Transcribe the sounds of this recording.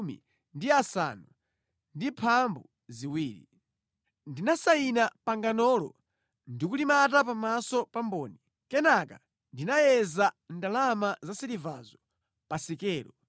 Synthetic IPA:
mḭ | ndiasa̰nu | ndipʰambu | ziwiːɾḭ | ndinasainapaŋɡanɔlɔ̰ | ndikulimatap̬amasɔpambɔːni | kɛnaka̰ | ndinajɛzandalamazasiɾivazɔ | pasikɛːɾɔ

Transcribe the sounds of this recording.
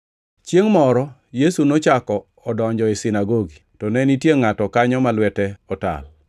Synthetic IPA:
t͡ʃjeŋmɔɾɔjesunot͡ʃakɔːdɔɲd͡ʒɔesɪnaɡoɡitɔnɛnitjeŋatɔkaɲɔmalwɛtɛɔta̰l

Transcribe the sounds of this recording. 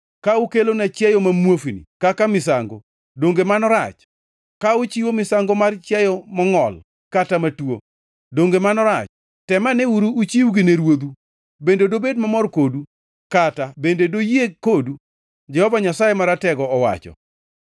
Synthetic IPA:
kaukelonat͡ʃjɛjomamwofinḭkakamɪsaŋɡo̰ | doŋɡemanɔɾat͡ʃ | kaut͡ʃiwomɪsaŋɡomart͡ʃɛjɔmɔŋɔl | katamatwo̰ | doŋɡemanɔɾat͡ʃ | tɛmaneuɾuːt͡ʃiwɡineɾwod̪u | bendedobedmamɔrkodu | katabendedojiekodu | d͡ʒɛhɔvaɲasajemaɾatɛɡɔɔwa̰t͡ʃɔ̰

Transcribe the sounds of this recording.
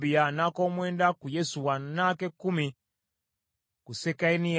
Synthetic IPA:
bijanako̞ːmwe̞ːndakujesuwanakekːumi | kusekaini

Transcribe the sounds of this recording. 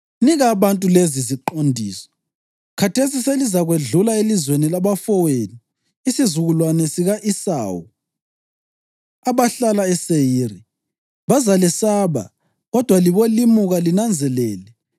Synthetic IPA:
niɣaːβantʼuleziziǃondʱiːsɔ̥ | kʰatʰesiselizaɣweɮulaelizwenilaβafɔweniː | sizuɣulwanɛsiɣaʔisa̰ːwu | aβaɬalaɛsejiːri | βazalɛsaːβa̰ | ɣɔd̥ʱwaliβolimuɣalinand͡zʱɛlɛːlɛ

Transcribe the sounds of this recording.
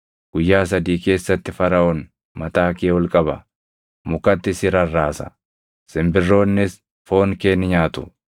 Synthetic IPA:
ɡ̥ʊjːaːs̬ɐd̪iːke̞ːsːɐt̪ːɪfɐɾɐʔɔn | mɐt̪aːkeːwɔlkʼɐbɐ | mʊkɐt̪ːɪsɪɾɐrːaːsɐ̥̰ | sɪmbɪrːo̞ːnːɪs | fo̞ːŋke̞ːnːɪɲaːt̪ʊ̥

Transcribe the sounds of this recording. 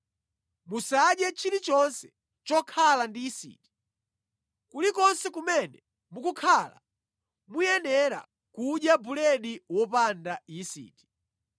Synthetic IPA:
musaɗjɛt͡ʃʰiɾit͡ʃɔnsɛ̥ | t͡ʃɔkʰalandiːsḭti̥ | kulikɔnsɛkumɛnɛ | mukukʰala̰ | mujɛnɛɾa̰ | kuɗjabulɛɗiwɔpandaisḭːti̥

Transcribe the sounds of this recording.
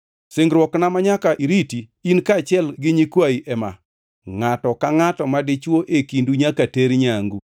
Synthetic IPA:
sɪŋɡɾwɔknamaɲakaʔiɾiti | inkaːt͡ʃɪɛlɡɪɲikwaiʔɛma̰ | ŋatɔkaŋatɔmadɪt͡ʃwoʔekinduɲakateɾɲaŋɡu

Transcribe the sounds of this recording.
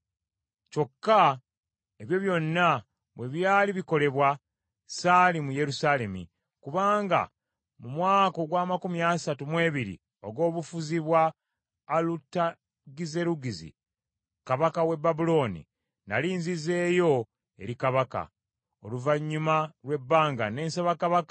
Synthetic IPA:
co̞kːa | eβjo̞βjo̞nːa | βwe̞βjaːliβiko̞le̞βwa | saːlimuje̞ɾusale̞mḭ | kuβaːŋɡa̰ | mumwaːko̞ɡwaːmakumiaːsatumwe̞ːβiɾḭ | o̞ɡo̞ːβufuziβwaː | lutːa | ɡize̞ɾuɡizḭ | kaβakawe̞bːabulo̞ːnḭ | na̰liːnzize̞ːjo̞ | e̞̰ɾikaβaka̰ | o̞luvaɲːumalwe̞bːaːŋɡane̞ːnsaβakaβaka

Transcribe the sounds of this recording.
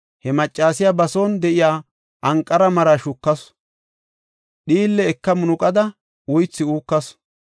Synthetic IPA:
hɛmɐt͡ʃʼːaːsɪjabɐsoːnd̪ɛʔɪjaː | ʔɐŋkʼːɐɾɐmɐɾaʃʊkːɐs | ɗiːlːɛːkːɐmʊnʊkʼɐd̪ɐ | wʊjt͡sːɪuːkːɐs

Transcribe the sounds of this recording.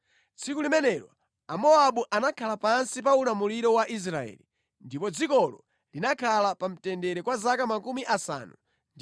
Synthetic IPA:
t͡sʰikulimɛnɛɾɔ | amɔaɓuʔanakʰalapansip̬aunamuliɾɔwaʔis̬ɾaɛ̰ːli | ndipɔd͡zikɔlɔ̰ | linakʰalapam̩tɛndɛɾɛkwazakamakumiʔasa̰ːnu | nd

